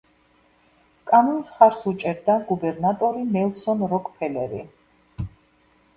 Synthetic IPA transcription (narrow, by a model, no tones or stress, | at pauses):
kʼanɔnχaɾsut͡ʃʼɛɾd̪aɡubɛɾnat̪ʼɔɾinɛlˠsɔnɾɔkʰʼpʰɛlɛ̰ɾḭ